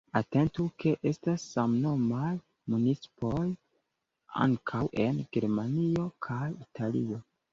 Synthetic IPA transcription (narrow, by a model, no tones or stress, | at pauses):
ate̞ntuke̞ʔe̞stasːamno̞maj | munit͡si̥po̞j | a̰ŋkʰawʔe̞nɡe̞ɾmanio̞kʰajitʰalḭo̞